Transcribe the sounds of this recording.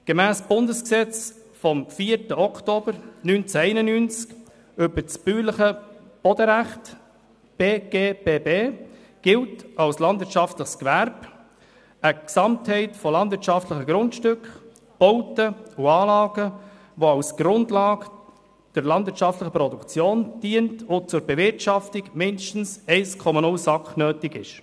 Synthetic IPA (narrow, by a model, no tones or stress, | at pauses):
ɡ̥emæːsb̥ʊndəsksɛt͡s | fɔmfiːəɾtəɔktob̥əɾnynt͡sæɛɪnənynt͡sk | ʏbəɾt͡sb̥yːləχə | b̥ɔd̥əɾæχt | b̥eːɡ̥eːbeːbeː | ɡ̥ɪltɑwslɑndvɪɾtt͡ʃɑftləχskʋæɾb̥ | əksɑmthɛɪtfɔlɑndvɪɾtt͡ʃɑftləχəɡɾʊntʃtʏkχ | b̥ɔʊtəʊɑːlɑːɡə | ʋoɑʊsɡ̥ɾʊndlɑːɡ | d̥əɾlɑndvɪɾtt͡ʃɑftləχəpɾɔdukt͡sjoːnd̥iːəntʊt͡sʊɾbɛvɪɾtɑftɪɡmɪndʃtn̩sɛɪskʰɔmɑnʊlsɑkχnøːtɪɡɪʃ